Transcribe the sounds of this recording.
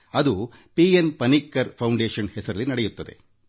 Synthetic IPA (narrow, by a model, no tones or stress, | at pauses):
ɐd̪u | piːenpɐnikːɐɾpʰɐwɳɖeːʂɐnhɛsɐɾɐlːinɐɽejut̪ːɐd̪e̞̰